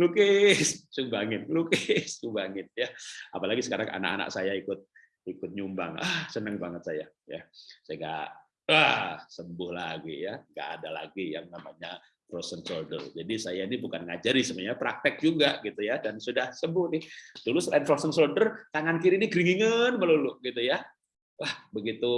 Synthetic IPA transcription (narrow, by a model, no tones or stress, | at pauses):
lukɪssubaŋɪt̪̚lukɪsubaŋɪt̪̚jaapalaɡisəkaɾaŋʔa̰na̰ka̰na̰ksajaikʊt̪̚ | ikʊt̪̚ɲumba̰ŋahsənəŋbaŋət̪̚sajaja̰sajaŋɡa̰ʔ | asəmbʊhlaɡijaŋɡa̰ʔːdala̰ɡija̰ŋnamaɲa | fɾosənsoldə̰rd͡ʒadisajainibukanŋad͡ʒaɾisəmaɲapɾak̚t̪ɪk̚d͡ʒuɡaʔɡit̪ujadansudahsəmbʊhnɪhd̥ulusəlaɪnfɾosənsoldərt̪aŋankiɾiniɡɾiŋiŋənməlulʊʔɡit̪uja | wahbəɡit̪u